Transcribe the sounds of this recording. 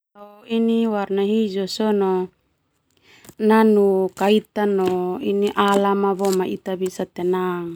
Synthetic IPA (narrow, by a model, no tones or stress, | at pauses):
auiniwaɾnaɦid͡ʒɔsɔnɔ | nanukait̪anɔiniʔalamaβɔmait̪abisat̪enaŋ